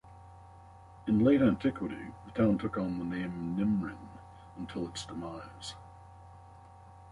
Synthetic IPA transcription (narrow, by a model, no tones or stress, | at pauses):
ɨ̃nleɪɾə˞æ̃ntʰɪkʰwəɾḭðətʰãʊ̃ntʰʊkn̩ðənẽɪ̃mnɪ̃mɹɪ̃n | ə̃ntʰɪlˠətsd̥əmaɪəz̥